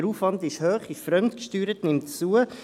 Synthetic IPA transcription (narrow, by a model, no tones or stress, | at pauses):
əɾuːfʋɑndɪʃhøːχɪʃfɾœmtkʃtyːɾətnɪmtt͡suə